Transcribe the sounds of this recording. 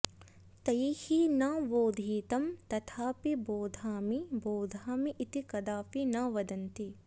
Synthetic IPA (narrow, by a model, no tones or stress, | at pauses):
t̪ɐihinaʋoːd̪ʱiːt̪ɐmt̪ɐt̪ʰaːpiboːd̪ʱaːmiboːd̪ʱaːmiʔːt̪ikɐd̪aːpinɐʋɐd̪ɐnt̪i